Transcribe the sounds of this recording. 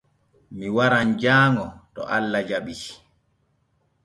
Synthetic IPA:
miwaɾand͡ʒaːŋɔtɔ̰ʔalːad͡ʒaɓii̥

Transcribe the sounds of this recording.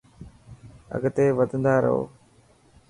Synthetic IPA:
ə̰ɡt̪eːʋəd̪ʱənd̪aːɾə̰ɦo̰ː

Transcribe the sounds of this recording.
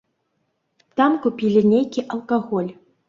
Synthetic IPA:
t̪ɑmkupʲilʲɘnʲejkʲiʔɐlˠkaɣolʲ

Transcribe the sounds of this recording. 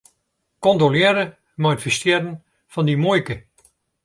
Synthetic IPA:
kɔndolɪəɾə | matfəstɪəɾən | fɔndimojkə

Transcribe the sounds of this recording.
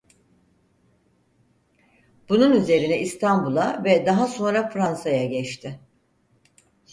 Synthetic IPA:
b̥ununyze̞ɾinɛist̪ʰanbulˠavɛd̪aɦaso̞nɾafɾansajaɟɛt͡ʃt̪ʰɪ

